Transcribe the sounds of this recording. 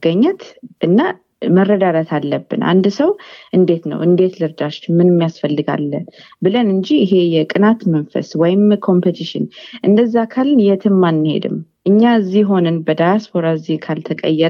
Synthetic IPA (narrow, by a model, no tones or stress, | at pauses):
ɡəɲːɛt̪ʔɨnːa | mərːəd̪ad̪at̪ʰalːəbːɨ̰nʔa̰nd̪səwʔɨnd̪e̞t̪nə̰wɨnd̪e̞t̪lɨɾd̪aʃt͡ʃmɨnɨmːijasfəlːɨɡa̰lːən | bɨlənɨɲd͡ʒiɪɦe̞jɛkʼɨnat̪mənfə̰swɔjɪmkʰo̞mpɨt̪ʰiʃɪ̰nʔɨnd̪əzːakʰalnjɛt̪ʰɨmːanːɨhe̞̰d̪ɨ̰mʔɨɲːaɨzːiɦo̞nɨnbəd̪ajaspʰo̞ɾaɨzikʰalt̪ʰəkʼə̰jːɛ